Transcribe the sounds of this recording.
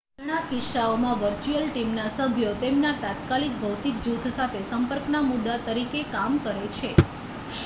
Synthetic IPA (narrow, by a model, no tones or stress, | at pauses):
dɳ̃akɪʃaomãʋəɾt͡ʃuəlʈimnasəbʱjot̪emnat̪at̪kalik̚bʱəwt̪ikd͡ʒut̪ʰsat̪ʰesəmpəɾknamʊd̪ːat̪əɾikekamkəɾet͡ʃʰe